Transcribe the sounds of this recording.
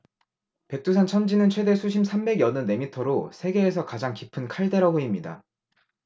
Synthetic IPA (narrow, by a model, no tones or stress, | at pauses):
pe̞k̚t͈us̬ʰant͡ɕʰʌnd͡ʑinɯnt͡ɕʰwe̞de̞sʰuɕʰimsʰambe̞ɡjʌnɯnːe̞mitʰʌɾosʰe̞ɡe̞ːs̬ʰʌkad͡ʑaŋkipʰɯnkʰaɭde̞ɾaɡoimɲida̰